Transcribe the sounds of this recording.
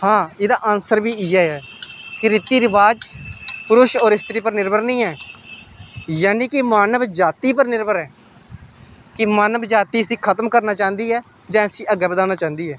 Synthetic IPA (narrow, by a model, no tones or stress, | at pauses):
hãːɪd̪aːʔəːnsəɾbiːɪːɛːɛːkɪɾɪt̪iːɾɪbaːd͡ʒpʊɾʊʃɔːɾɪst̪ɾiːpəɾnɪɾbəɾnĩːɛː | jaːniːkɪmaːnəʋd͡ʒaːt̪iːpəɾnɪɾbəɾɛː | kɪmaːnəbd͡ʒaːt̪iːəsĩːkʰət̪mkəɾnaːt͡ʃaːnd̪iːɛː | d͡ʒãːəsĩːʔəɡɛːbəd̪aːnaːt͡ʃãːnd̪iːɦɛː